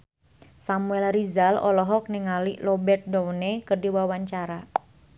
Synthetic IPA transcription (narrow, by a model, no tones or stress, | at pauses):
samuɛlrizalɔ̰lɔɦɔk̚niŋalilɔbɛrt̪̚dounekərdiwawaɲt͡ʃaɾa